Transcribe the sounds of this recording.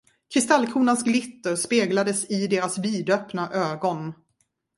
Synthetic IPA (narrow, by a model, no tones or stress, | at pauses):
kʰɾɪst̪alːkʰɾuːnansɡlɪt̪ːəɾspeːɡlad̪əsɪd̪eːɾasviːd̪œpnaʔøːɡɔn